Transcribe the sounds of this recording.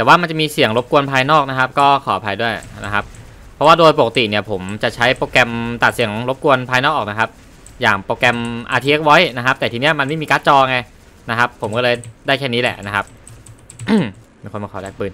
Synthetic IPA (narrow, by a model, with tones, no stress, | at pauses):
t̪ɛː˨˩waː˥˩ma˧nt͡ɕa˨˩miː˧si˨˩˦əŋɾo˦˥p̚ku˧ənpʰaː˧jnɔː˥˩k̚na˦˥kʰa˦˥p̚kɔː˥˩kʰɔː˨˩˦a˧˩pʰa˧jdu˥˩əjna˦˥kʰa˦˥p̚ʰː | ɔ˦˥waː˥˩doː˧jpo˨˩ka˩˧t̪ḭ˨˩ni˥˩ɐpʰo˩˦mt͡ɕa˨˩t͡ɕʰa˦˥jpoː˧kɛ˧mt̪a˨˩t̪̚si˨˩˦ŋɾo˦˥p̚ku˧ənpʰaː˧jnɔː˥˩ʔːkna˦kʰa˦˥p̚ | jaː˨˩ŋpoː˧kɛ˧mʔaː˧t̪ʰi˦˧e˦˥k̚wɔ˦˥jna˦kʰa˦˥p̚t̪ɛː˨˩iː˧ni˦˥ɐma˧nma˥˩jmiː˧kaː˦˥t̪̚t͡ɕɔː˧ŋa˧j | na˦˥kʰa˦˥pʰːo˩˦mkɔː˥˩lɤː˧jdaː˥˩jkʰɛː˥˩niː˦˥lɛ̰˨˩ʔna˦˥kʰa˦˥p̚ | miː˧kʰo˧nmaː˧˩ɔː˩lɛː˥˩k̚pɯː˧˩n